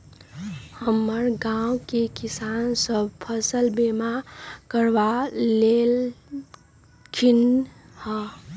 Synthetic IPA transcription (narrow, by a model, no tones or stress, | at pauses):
həmːəɾɡãukekisansəbʱpʰəsəlbemakəɾʋalel | kʰinhə̃